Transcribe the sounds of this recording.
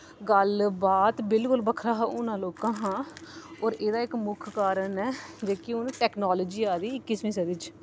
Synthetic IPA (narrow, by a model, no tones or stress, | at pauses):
ɡəlbaːt̪bɪlkʊlbəkʰɾaːɦːʔʊnãːloːkãːɦãːɔːɾeːd̪aːɪkmʊkʰkaːɾənɛːd͡ʒeːkɪʊnːʈɛːknaːlɔːd͡ʒiːaːd̪iːɪkːɪsmiːsəd̪ɪt͡ʃ